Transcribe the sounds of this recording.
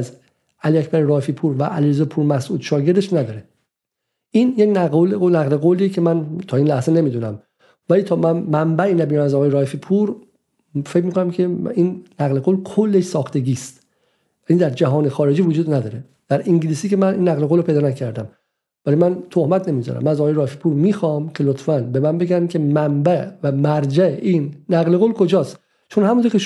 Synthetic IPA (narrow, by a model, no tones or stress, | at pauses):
z | ʔæliæcʰbæɾeɾɒːhefipʰuːɾvæʔæliɾezɒːpʰuːɾmæsʔuːd̪̥ʃɒːɡe̞ɾd̪eʃnæd̪ɒːɾe | ʔinjecnæolonæɣle̞ɡoliecʰe̞mænt̪ʰɒːiːnlæhzene̞miːd̪unæm | væliːt̪ʰɒːmæːæmbæʔinæbinæmæzɒɣɒːjeɾɒːhefipʰuɾ | fecmiːkʰo̞næmcʰeinːæɣle̞ɡolkʰolːeʃsɒːxt̪ʰeɟiːst̪ | væniːd̪æɾd͡ʒæɦɒːnexɒːɾe̞d͡ʒiːvod͡ʒuːd̪næd̪ɒːɾe | d̪̥æɾiŋɟiliːsiːkemænʔinːæɣleɣolopʰe̞jd̪ɒːnæcʰæɾd̪æm | vælimænt̪ʰohmæt̪ʰne̞mizɒ̰ɾæ̰mːænæzɒːɣɑjeɾɒːhefipʰuːɾmiːxɒːmkʲʰe̞lot̪fænbe̞mænbe̞ɡænkʲʰe̞mæmbævæmæɾd͡ʒæʔiːnːæɣle̞ɣolkʰo̞d͡ʒɒːst̪ | t͡ʃʰonhæmũnt̪ʰoɾkʲce